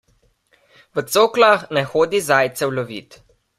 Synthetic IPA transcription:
ʋət̪soːklaxnɛxoːd̪izajt̪sɛwlɔʋiːt̪

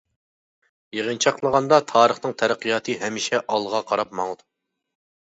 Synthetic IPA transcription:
jeʁənt͡ʃʰɑqlˠəʁɑnd̪ɑt̪ʰɑːɾəχnɨŋt̪ʰɛɾæqʰːijɑt̪ʰɨɦɛmiʃɛʔɑlˠʁɑqʰɑɾɑp̚mɑŋd̪u

